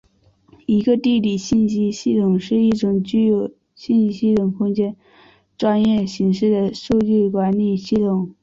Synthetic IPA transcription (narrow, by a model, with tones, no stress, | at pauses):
i˧˥ɡə˧t̪i˥˩li˨˩ɕi˥˩nɕi˥ɕi˥˩t̪ʰʊ˨˩ŋʂɻ̩˥˧i˥˩ʈ͡ʂʊ˨˩ŋt͡ɕy˥˧jo˨˩ʊ | ɕi˥˩˧n˥ɕi˥t̪ʰʊ˨˩ŋkʰʊ˥ŋt͡ɕjɛ˥n | ʈ͡ʂwa˥njɛ˥˩ɕi˧˥ŋʂɻ̩˥˩d̪ə˩ʂu˥˧t͡ɕy˥˩kwa˧˥nli˨˩ɕi˥˩t̪ʰʊ˨˩˦ŋ